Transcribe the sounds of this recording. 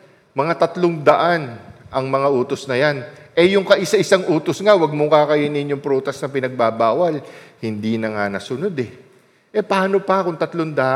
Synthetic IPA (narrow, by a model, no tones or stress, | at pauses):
mɐŋat̪ɐt̪loŋd̪ɐʔanʔɐŋmɐŋaʔoːt̪o̞snɐjanʔɛjʊŋkɐʔɪsaʔɪsaŋʔoːt̪osŋawɐɡ̚mokakɐjɪnɪnjʊŋpɾoːt̪ɐsnɐpɪnɐɡ̚babaːwɐlhɪnd̪inɐŋanɐsʊno̞d̪ɛ | ʔɛpɐaːno̞pɐkʊŋt̪ɐt̪loŋd̪aʔ